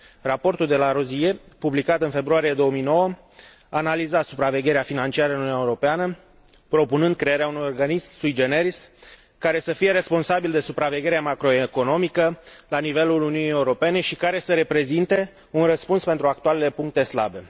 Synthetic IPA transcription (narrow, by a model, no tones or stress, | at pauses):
rapo̞rt̪uld̪e̞laɾozije̞publikat̪ɨnfe̞bɾuaɾie̞d̪o̞wəmijno̞wə | aːnalizat̪supɾave̞ɡʲe̞ɾeafinant͡ʃiaɾəɨnununaeuɾo̞peanə | pɾo̞punɨnd̪̚kɾe̞jeɾeaunujo̞rɡanismsujd͡ʒeneɾis | kaɾe̞səfije̞ɾe̞spo̞nsabild̪e̞supɾave̞ɡʲe̞ɾeamakɾo̞eko̞no̞mikəlanive̞luluniunije̞uɾo̞pe̞ne̞ʃikaɾe̞səɾe̞pɾe̞zint̪e̞ | unrəspunspe̞nt̪ɾuak̚t̪ualele̞puŋk̚t̪e̞sla̰be̞